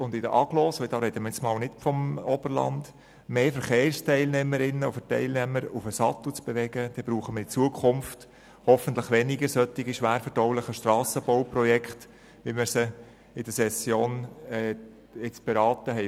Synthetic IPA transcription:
ʊnd̪ɪd̥əʔɑɡlɔːsʋɪt̪ɑːɾɛɪt̪əmət͡smɑːlnɪtfɔmɔb̥əɾlɑ̰nd | meːfəɾχeːrstʰɛɪlnɛməɾɪnːəɔfətɛ̰ɪlnɛməɾufəsɑt̪ut͡sb̥eʋɛɡ̥əd̥ɛbɾuːχəməɾit͡suəkʰχʊmft | hɔfən̩t̪ləχʋɛnɪɡəɾsœtːɪɡiʃʋæːɾfəɾdɔwlɪχəʃtrɑːsəbɔʊprɔjɛkχt | ʋiməsə | ɪd̥əsɛsjoːnɛ | ɪt͡sb̥eɾɑːt̪əɦɛɪ

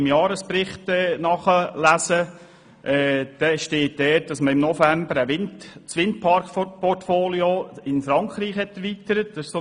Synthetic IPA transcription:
ɪmjɑːɾəspɾɪχtɛnɑχəlæsə | ʔɛːd̥ɛʃteːt̚d̥ɛːt̚d̥ɑsməɪmnɔfæmbəɾæʋɪntt͡sʋɪnt̚pʰɑɾkpɔrtfoːljoɪnfɾɑŋkχɾiːχhɛtɛɾʋit̪əɾət̚d̥ɑsɪʃso

